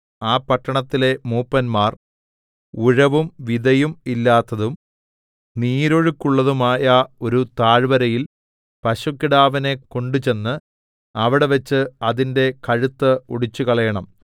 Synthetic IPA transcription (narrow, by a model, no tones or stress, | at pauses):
aːpːɐʈːɐɳɐt̪ːile̞muːpːɐnmaːr | uɻɐʋumʋiðɐjumilːaːt̪ːɐðum | niːɾoɻukːuɭːɐðumaːjɐo̞ɾut̪aːɻbɐɾɐjil | pɐɕukːiɽaːʋɐne̞ko̞ɳɖut͡ɕe̞nːɨ | ɐʋiɽe̞ʋet͡ɕːɨɐðinde̞kɐɻut̪ːɐoɽit͡ɕːukɐɭɐjɐɳɐm